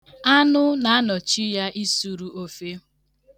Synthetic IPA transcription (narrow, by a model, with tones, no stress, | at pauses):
a˦nʊ˦na˨a˦nɔ˨t͡ʃi˦ja˦ʔi˦su˨ɾu˨ʔo˨fe˦